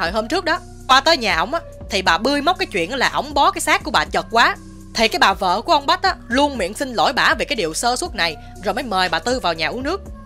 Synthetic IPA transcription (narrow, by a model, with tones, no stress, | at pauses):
ə̰˧˨jhəː˧mt͡ɕɨ˦˥k̚ɗɔ˨˦ | kwaː˧t̪əː˨˦jɲaː˨˩ʔə˧˩wŋ͡mʔaː˨˦t̪ʰi˨˩ɓaː˨˩ɓɨ˧əjma˦˥k͡p̚kaː˨˦jt͡ɕwḭ˧˨ən˨˦laː˨˩ʔə̰˧˩wŋ͡mɓɔ˨˦kaː˨˦jsaː˦˥kːu˧˩əɓa̰ː˨˩t͡ɕə˨˩t̚kwaː˨˦ | t̪ʰi˨˩kaː˨˦jɓaː˨˩və̰ː˧˨ku˧˩əʔə˧wŋ͡mɓa˦˥t̚ʔaː˨˦lu˧ənmḭ˧˨ənsï˧nlo̰˧˩jɓaː˧˩ve˨˩kaː˨˦jɗi˨əwsəː˧swə˦˥t̚na˨˩j | zo˨˩jmː˨˦jməː˨˩jɓaː˨˩t̪ɨ˧vaː˨˩wɲaː˨˩ʔu˨˧˦nɨ˦˥ək̚